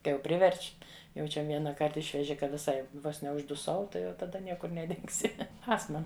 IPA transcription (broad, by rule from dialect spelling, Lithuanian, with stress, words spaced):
ˈkɐɪ jɛʊ ˈpʲrʲɪʋʲɛrʲt͡ʃʲ jɛʊ ˈt͡ʃʲɛ ˈʋʲiɛnɐˌkɐrt ˈɪʃʲʋʲɛʒʲɪ kɐ ʋʲɪˈsɐɪ ˈʋoːs nʲɛʊʒdʊˈsɐʊ ˈtɐɪ jɛʊ tɐˈdɐ ˈnʲiɛkʊr nʲɛˈdʲɪŋksʲɪ ˈɑːstmɐ